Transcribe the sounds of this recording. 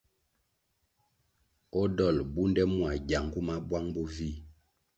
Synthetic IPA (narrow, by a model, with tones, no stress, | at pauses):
ɔ˦dɔ˦˨lbu˦ndɛ˦mwa˨ɟa˨ŋ˨ɡu˦ma˦bwa˦ŋbɔ˦vi˦˨